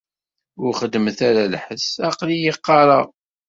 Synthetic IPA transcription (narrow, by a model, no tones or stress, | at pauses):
ʊɾχəd̪mθæɾaləħəsɑqlijəqːɑɾˤɑʁ